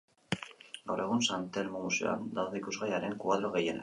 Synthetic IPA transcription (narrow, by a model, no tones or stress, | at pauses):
ɡawɾe̞ɣunsant̪e̞lmomusea̰nd̪awðe̞ikuzɣajaɾe̞ŋkuaðɾoɣe̞je̞na̰